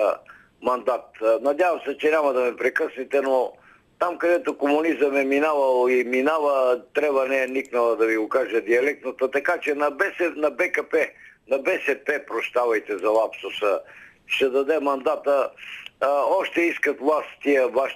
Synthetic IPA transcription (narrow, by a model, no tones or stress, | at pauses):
mɐnd̪at̪nɐd̪javɐmsɛt͡ʃɛnʲamɐd̪ɐmɛpɾɛkɤsnit̪ɛno | t̪amkɐd̪ɛt̪okomʊnizəmɛminavɐlˠiminavət̪ɾɛbvɐnɛɛniknɐlˠɐd̪ɐviɡokaʒəd̪iɐlɛk̚t̪nət̪ət̪ɐkat͡ʃɛnɐbɛsɛnɐbɛkɐpɛnɐbɛsɛpɛpɾost̪avɐjt̪ɛzɐlˠapsʊsə | ʃt̪ɛd̪ɐd̪ɛmɐnd̪at̪ə | ɔʃt̪ɛiskɐt̪vlˠast̪iəvaʃ